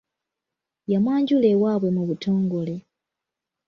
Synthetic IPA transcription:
jamwaːɲɟule̞waːβwe̞muβutʰo̞ːŋɡo̞le̞

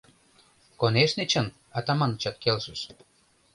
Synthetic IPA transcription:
koneʃnet͡ɕən | ɑt̪ɑmɑnət͡ɕɑt̪̚kelʃəʃ

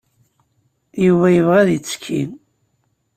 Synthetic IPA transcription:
juvæjəvʁæðit͡sːkʰːḭn

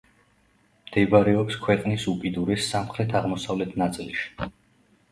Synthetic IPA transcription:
md̪̥ɛbaɾɛɔpskʰwɛqʼnisupʼid̪uɾɛsːamχɾɛt̪ʰaʁmɔsavlɛt̪ʰnat̪sʼilˠʃi̥

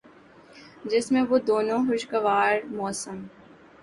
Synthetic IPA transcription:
d͡ʒɪsmẽʋod̪oːnõɦʊʃkɐʋaːɾmɔːsəm

